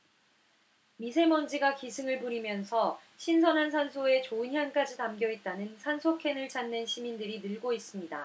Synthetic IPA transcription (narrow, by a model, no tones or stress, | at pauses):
misʰe̞mʌnd͡ʑiɡakisʰɯŋɯɭpuɾimjʌnsʰʌ | ɕʰinsʰʌnɦans̬ʰansʰoe̞t͡ɕoɯnɦjank͈ad͡ʑitamɡjʌɦet̚t͈anɯnsʰansʰokʰe̞nɯɭt͡ɕanːe̞nɕʰimindɯɾinɯɭɡois͈ɯmɲida